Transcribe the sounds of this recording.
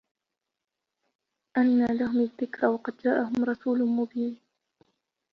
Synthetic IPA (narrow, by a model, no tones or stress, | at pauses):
ʔanːaːlaɦʊmaðːɪkɾɑwɑqɑd̪̚d͡ʒaːʔaɦʊmɾˤɑsuːlmʊbiːn